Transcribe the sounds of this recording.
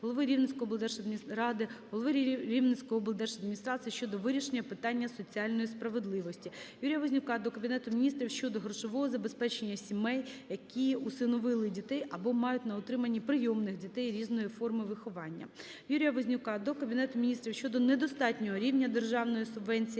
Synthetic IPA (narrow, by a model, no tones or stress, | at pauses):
ɦɔlˠɔʋɪɾʲiwnɪt͡sʲsʲkɔɦɔbɔlˠd̪ɛrʃɐd̪ɾɑd̪ɪɦɔlˠɔʋɪɾʲiwnɪt͡sʲkɔɦɔblˠd̪ɛrʃɐd̪mʲinʲist̪ɾɑt̪sɨjiʃt͡ʃɔd̪ɔʋɪɾʲiʃenʲɐpɪt̪ɑnʲːɐsɔt͡sʲiɑlʲnɔjispɾɐʋe̞d̪lˠɪʋɔsʲtʲijuɾʲijɐʋɔzʲnʲʊkɑd̪ɔkɐbʲinɛt̪ʊmʲinʲist̪ɾʲiwʃt͡ʃɔd̪ɔɦrɔʃɔʋɔɦɔzɐbespɛt͡ʃe̞nʲːɐsʲimɛjjɐkʲiusɪnɔʋɪlˠɪdʲit̪ɛjʔɐbɔmɑjʊtʲnɐɔt̪ɾɪmɐnʲːipɾɪjɔmnɪxdʲit̪ɛjɾʲiznɔjifɔrmɪʋɪxɔʋɑnʲːɐ̰ | juɾʲijɐʋɔzʲnʲʊkɑd̪ɔkɐbʲinɛt̪ʊmʲinʲist̪ɾʲiwʃt͡ʃɔd̪ɔned̪ɔst̪ɑtʲnʲɔɦɔɾʲiwnʲɐd̪e̞rʒɑwnɔjisʊbʋɛnʲt͡sʲij